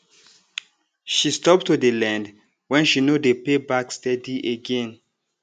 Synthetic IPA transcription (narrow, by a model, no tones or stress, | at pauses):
ʃistɔp̚tudəlɛ̃nd | wɛ̃nʃinodepebakstɛdiʔeɡɛ̃n